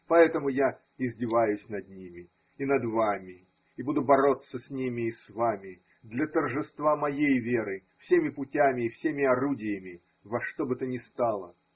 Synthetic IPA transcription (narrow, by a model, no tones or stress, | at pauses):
pɐɛt̪əmʊja | ɪzʲdʲɪvajʊsʲnɐd̪nʲimʲɪː | nɐd̪vamʲɪ | ɪbud̪ʊbɐɾo̞t̪sːəsʲnʲimʲɪːsvamʲɪ | d̪lʲɐt̪ərʐɨst̪vamɐjejvʲe̞ɾɨfsʲemʲɪpʊtʲamʲɪːfsʲemʲɪɐɾudʲɪjəmʲɪ | vɐʂt̪o̞bɨt̪ənʲɪst̪ɑlˠə̰